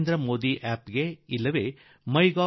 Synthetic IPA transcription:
nd̪ɾɐmoːd̪iʔæːpɡeilːɐʋeː | mɐjɡaː

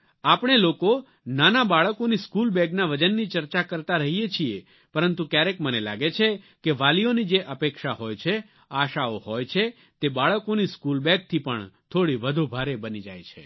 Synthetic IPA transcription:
apɳ̃eloko | nanabaɭəkoniskulbɛɡnaʋəd͡ʒənːit͡ʃəɾt͡ʃakəɾt̪aɾəɦijet͡ʃʰie | pəɾənt̪ukjaɾekmənela̰ɡet͡ʃʰe | keʋalionid͡ʒeʔəpekʃaɦojt͡ʃʰe | aʃaohojt͡ʃʰe | t̪ebaɭəkoniskulbɛɡ̚t̪ʰipəɳt̪ʰoɽiʋəd̪ʱubʱaɾebənid͡ʒa̰jt͡ʃʰḛ

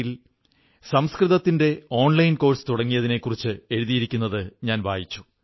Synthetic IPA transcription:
il | sɐmskrɨðɐt̪ːinde̞o̞ːɳlɐjnko̞ːrsɨ̥t̪uɽɐŋːijɐðine̞kːurit͡ɕːɨe̞ɻuðijiɾikʲːunːɐðɨɲaːnʋa̰ːjit͡ɕːu̥

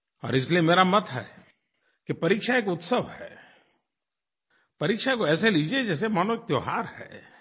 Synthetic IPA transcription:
ɔ̰ːɾɪs̬liemeːɾamɐt̪ɦɛ̰ː | kipɐɾiːkʃaeːkʊt̪səʋɦɛː | pɐɾiːkʃakoɛːseliːd͡ʒied͡ʒɛːs̬emaːnoek̚t̪joːɦaːɾhɛ̰ː

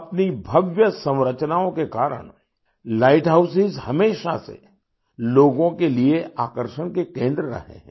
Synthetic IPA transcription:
ɐpnibʱɐʋjəsɐ̃mɾət͡ʃnaːõkekaːɾə̰ɳ̃ | laːɪʈɦaːʊsɪzhɐmeːʃasḛ | loːɡõkelieʔaːkəɾʃəɽ̃kekẽːnd̪ɾəɾɐ̰ɦḛ̃ɦɛ̃

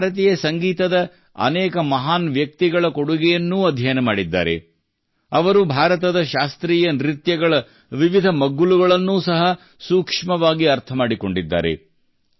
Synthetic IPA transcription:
ɾɐt̪ijɐsɐŋɡiːt̪ɐd̪ɐ | ɐ̰nɛːkɐmɐɦaːnʋjɐk̚t̪iɡɐɭɐkoɽuɡɛjɐnːuːɐd̪ʱjɐjɐnɐmaːɽid̪ːa̰ːɾḛ | ɐʋɐɾubʱaːɾɐt̪ɐd̪ɐʃaːst̪ɾiːjɐnɾit̪jɐɡɐɭɐ | ʋiʋid̪ʱɐmɐɡːuluɡɐɭɐnːuːsɐɦɐ | suːkʂmɐʋaːɡiɐɾt̪ʰɐmaːɽiko̞ɳɖid̪ːa̰ːɾḛ

